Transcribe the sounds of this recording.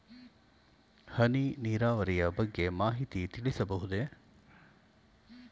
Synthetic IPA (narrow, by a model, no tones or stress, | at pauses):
hɐniniːɾaːʋɐɾijɐbɐɡːe̞maːɦit̪it̪iɭisɐbɐɦud̪e